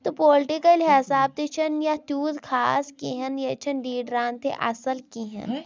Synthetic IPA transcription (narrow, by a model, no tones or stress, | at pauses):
t̪opoːlɪʈikəlɦesaːb̚t̪et͡ʃʰɐnjat̪uːd̪kʰaːskiɦɐnjɐt͡ʃʰɐnɖiːɖɾãːnt̪ʰḛʔɐ̰səlkiɦə̰n